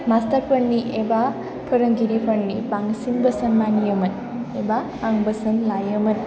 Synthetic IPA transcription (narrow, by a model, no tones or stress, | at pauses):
mast̪əɾpʰəɽniʔeba | pʰəɾəŋɡiɾipʰəɽnibaŋsinbəsənmanijəmɐn | ebaː | ŋbəsənlajəmən